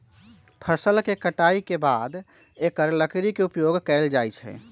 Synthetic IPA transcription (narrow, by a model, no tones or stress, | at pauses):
pʰəɾsəlkekəʈaikebad̪ | ekəɾləkɾikeupjoɡkɛɪld͡ʒajt͡ʃʰɛ̰